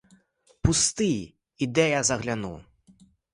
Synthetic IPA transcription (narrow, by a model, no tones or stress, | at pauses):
pust̪ɨj | id̪ɛjazɐɣlʲanṵ